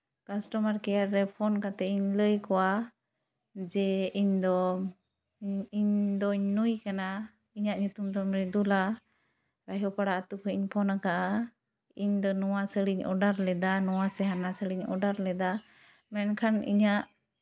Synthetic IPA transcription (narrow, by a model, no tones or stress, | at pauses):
kasʈɔmaɾkɛjaɾːɛpʰɔnkat̪ɛiɲləjkɔwa | d͡ʒɛiɲd̪ɔ | iɲd̪ɔɲnujkana | iɲaʔɲut̪umd̪ɔmɾɛd̪ula | ɾajɦɔpaɽaʔat̪ukʰəiɲpʰɔnakaʔa | iɲd̪ɔnɔwasəɽiɲʔɔ̰ɖaɾlɛd̪anɔwasɛɦanasəɽiɲɔ̰ɖaɾlɛd̪a | mɛnkʰanḭɲaʔ